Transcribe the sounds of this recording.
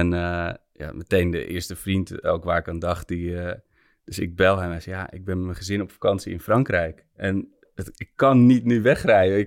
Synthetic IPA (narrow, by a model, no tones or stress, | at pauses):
ɛnə | ja̰mətejndə̰ʔɪ̰əstəfrintɛ̰lˠkʋaːɹɪkandɑχt̚di | d̥øsɪ̰k̚bɛlˠɦɛmɛsjaʔɪ̰k̚bɛnmənχəzɪnɔpfḁkɑnsiɪnfrɑŋkrɛjk | ʔɛn | ɔtɪkːɑnːitnyʋɛxrɛjəɪ